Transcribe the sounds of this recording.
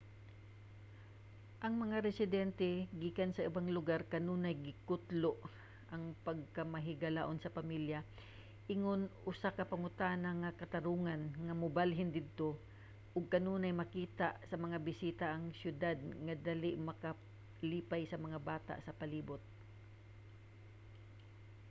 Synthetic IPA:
ʔɐŋmɐŋaɾɛsɪd̪ɛnt̪ɛɡiːkansɐʔɪbaŋlʊɡaɾkɐnuːnajɡɪkʊt̪loʔ | ʔɐŋpɐɡ̚kɐmɐɦɪɡɐlaʔonsɐpɐmilja | ʔɪŋonʔʊsakɐpɐŋʊt̪aːnɐŋːɐkɐt̪ɐɾuːŋanŋɐmʊbalɦɪnd̪ɪd̪̚t̪o | ʔʊɡ̚kɐnuːnajmɐkiːt̪aʔsɐmɐŋabɪsiːt̪aʔɐŋsjʊd̪ad̪̚ŋɐd̪alɪʔmɐka | liːpajsɐmɐŋabaːt̪a̰ʔsɐpɐliːbʊt̪̚

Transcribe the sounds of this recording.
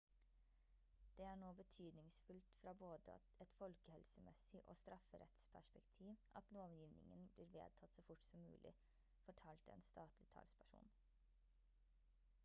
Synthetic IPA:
d̪̥eːæːɳoːbət̪ʰyːd̪nɪŋsfʉlt̪fɾɑːboːd̪ə̰ | ɛt̪fɔlkəhɛlsəmɛsɪʔo̰ːst̪ɾɑfəɾɛ̰t̪spʰæʂpɛkt̪ʰiːʋʔɑt̪loːʋjiːʋnɪ̰ŋənbliːɾʋḛːd̪̚t̪ʰɑt̪soːfʊʈsɔmːʉ̰ːlʔɪ̰ | fɔʈʰɑːlt̪ɛ̰ːnst̪ɑːt̪lɪt̪ʰɑ̰lspʰæʂṵːn

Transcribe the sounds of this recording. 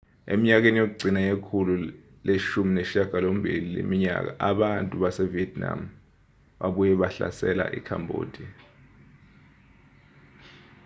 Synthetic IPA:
ḛmiɲak̬enijok̬uɡ͡ǀʱinajekʰulu | leʃumineʃiaɡ̥ʱalombʱililḛmiɲa̰k̬aʔaɓantʼuɓasɛviɛt̚ʰʼna̰m | ɓaɓujɛɓaɬa̰sɛ̰la̰ʔḭkʰa̰mbʱo̰ːd̥ʱi

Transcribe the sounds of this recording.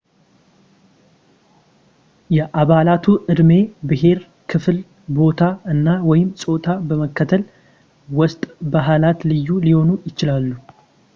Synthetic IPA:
jɛʔaβalat̪ʰuʔɨd̪me̞bɨɦe̞ɾ | kʰɨfl | bo̞t̪ʰaɨnːawɔjɪmsʼo̞t̪ʰabəməkːət̪ʰəl | wɔst̪ʼbaɦalat̪lɨjːuliho̞nujɪt͡ʃɪlalːu

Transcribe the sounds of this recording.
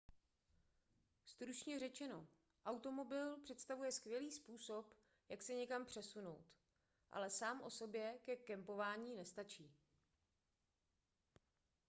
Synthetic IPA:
st̪ɾut͡ʃɲɛrɛt͡ʃɛno̞ | ʔawt̪o̞mo̞bɪlpr̝̥ɛt̪st̪avujɛskvjɛliːspuːso̞p | jaksɛɲɛkampr̝̥ɛsuno̞wt̪ | ʔa̰lɛsaːmʔo̞so̞bjɛkɛkɛmpo̞vaːɲiːnɛst̪at͡ʃiː

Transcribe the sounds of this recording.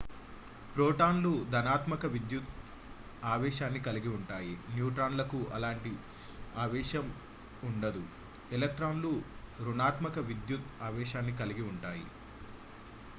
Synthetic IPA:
pɾoːʈaːnlud̪ɐnaːt̪mɐkɐʋid̪jut̪ | aːʋɛːʃaːnːikɐliɡiuɳʈaːjinjuːʈɾaːnlɐkuʔɐlaːɳʈi | aːʋɛːʃɐm | uɳɖɐd̪u | ɛlɐk̚ʈɾaːnluɾunaːt̪mɐkɐʋid̪jut̪̚aːʋɛːʃaːnːikɐliɡiuɳʈaːjḭ

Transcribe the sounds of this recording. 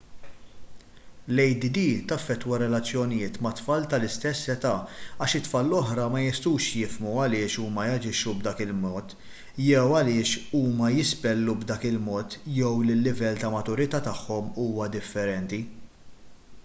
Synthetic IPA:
lɛjd̪id̪iːt̪ɐfːɛt̪ːwɐɾɛlɐt͡sːjɔnɪjɪːt̪mɐt̪fɐːlt̪ɐlɪst̪ɛsːɛt̪ɐːɐːʃɪt̪fɐːlːɔħɾɐmɐjɪst̪uːʃjɪfmuɐlɪːʃuːmɐjɐd͡ʒɪʃːubd̪ɐːkɪlmɔːt̪ | jɛwɐlɪːʃuːmɐjɪspɛlːubd̪ɐːkɪlmɔːt̪jɛwlɪlːɪvɛlt̪ɐmɐt̪ʊɾɪt̪ɐt̪ɐħːɔmuːmɐd̪ɪfːɛɾɛnt̪i

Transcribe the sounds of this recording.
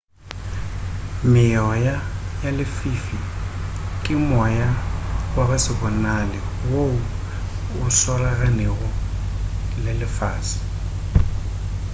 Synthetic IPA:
mɪjɔjajalɪfiːfi | kʼɪmɔjawabasɪbɔnalɪ | woʊ | ʊswalaɣanɛɣʊ | lɪlɪfaːsi̥

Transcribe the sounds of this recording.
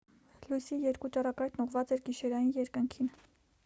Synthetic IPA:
lujsijɛɾkut͡ʃɑrɑkɑjt̪ʰnuʁvɑt͡sɛɾɡiʃɛɾɑjinjɛɾkəŋkʰin

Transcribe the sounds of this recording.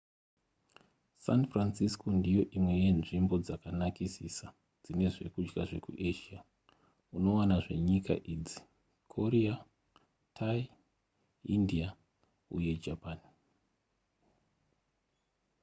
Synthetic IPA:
sanfransiskondijo̞ʔimwe̞je̞nʐimbo̞d͡zakanakisisa | d͡zine̞ʐe̞̰kud͡ʒɡaʐe̞̰kṵʔeʃia | uno̞wanaʐe̞̰ɲika̰ʔid͡zi̥ | kʰoɾia | tʰai | india | uje̞d͡ʒapan

